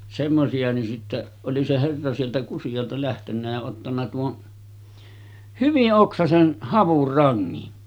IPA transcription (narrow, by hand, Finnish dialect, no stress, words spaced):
semːosiɑ ni sitːe oli se herːɑ sieltæ kusij̆ɑltɑ læhtenːæ jɑ otːɑnːɑ tuon hyʋiʔ ʔoksɑsen hɑʋurːɑŋːin